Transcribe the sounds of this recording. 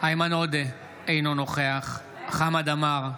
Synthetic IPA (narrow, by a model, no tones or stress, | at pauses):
aimanod̪e | ejnonoχeaχ | χamad̪amaʁ